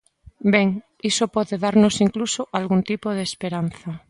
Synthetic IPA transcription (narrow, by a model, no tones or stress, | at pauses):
beŋ | isopɔðeðaɾnosiŋklusoʔalɣunt̪ipoð̞eːspeɾan̟θa